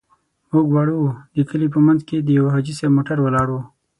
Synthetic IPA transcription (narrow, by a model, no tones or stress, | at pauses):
muɡwɑɽud̪əkəlip̬əmanzked̪əjawɦɑd͡ʒisemoʈaɾwəlɑɽu